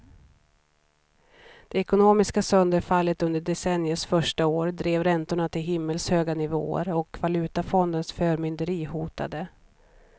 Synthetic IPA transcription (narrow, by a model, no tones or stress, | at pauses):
d̪̥ɛɛkʊnoːmɪskasœnd̪əɾfalːət̪ɵnd̪əɖɛsɛnjəʂfœʂʈaoːɾd̪ɾeːvɾɛnt̪ʊɳat̪ʰɪlɦɪmːəlshøːɡanɪvo̰ːə̰ɾɔkvalʉ̟ːt̪afɔnd̪ənsfœːɾmʏnd̪əɾiːhuːt̪a̰d̪ə